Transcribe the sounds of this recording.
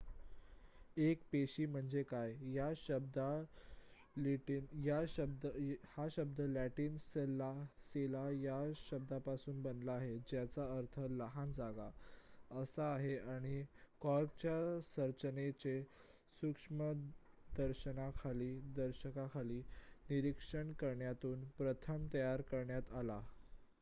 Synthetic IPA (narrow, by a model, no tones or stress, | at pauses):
ekpeɕiːm̤əɳd͡zekajjaɕəbd̪a | lʈinjaɕəb̚d̪əhaɕəb̚d̪ʱəlæʈiːnselaselajaɕəb̚d̪ʱapasuːnbənlaːɦed͡ʑjat͡saəɾt̪ʰələɦand͡zaɡaəsaːɦeaɽ̃ikɔɾk̚t͡ɕjasəɾt͡ɕənet͡ɕe | sukʂmə | d̪əɾɕənakʰaliːd̪əɾɕəkakʰaliːniɾikʂəɳkəɾɳjat̪uːnpɾət̪ʰəmt̪əjaɾkəɾɳjat̪ala